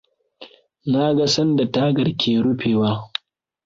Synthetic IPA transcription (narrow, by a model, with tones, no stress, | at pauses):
na˦ɡa˦sɐ˦nda˨ta˦ɡɐ˨ɽkʲʰeː˨ɽʊ˦ɸeː˨waː˦